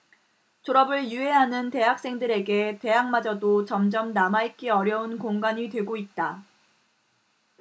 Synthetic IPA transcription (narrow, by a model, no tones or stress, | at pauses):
t͡ɕoɾʌbɯɭjueɦanɯnte̞ɦak̚s͈e̞ŋdɯɾe̞ɡe̞te̞ɦaŋmad͡ʑʌdot͡ɕʌmd͡ʑʌmnamaik͈iʌɾjʌunkoŋɡaɲitwe̞ɡoit̚t͈a